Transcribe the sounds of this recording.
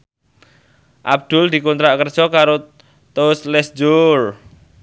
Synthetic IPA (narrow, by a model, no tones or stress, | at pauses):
ʔa̰b̚d̪̥ʊ̤ld̪̥i̤kont̪ɾaʔkərd̥ʒ̥ɔ̤kaɾo | t̪oslɛsd͡ʒor